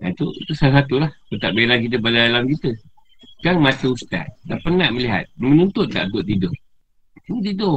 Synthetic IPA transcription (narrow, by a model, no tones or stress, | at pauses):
a̰t̪uḭt̪usalas̬at̪ulahbət̪aʔbeɾakit̪̬əbadadalamkit̪ə | kaŋmat̪əust̪a̰t̪̚dapənaʔməliɦa̰t̪̚mənunt̪ʊt̪̚k̪a̰ʔd̪ʊʔ̚t̪idʊʔ | səmuʔt̪̬idʊ